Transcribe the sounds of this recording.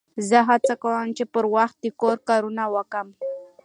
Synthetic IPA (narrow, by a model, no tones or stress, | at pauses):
zəɦat͡sakawəmt͡ʃepəɾwaxt̪̚d̪ikoɾkaɾunawakam